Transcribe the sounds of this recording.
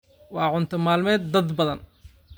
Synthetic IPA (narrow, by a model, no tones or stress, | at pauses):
wɑːʕʊnt̪ʰɐmaːlmɛːd̪̚ːɐd̪bɐðɐn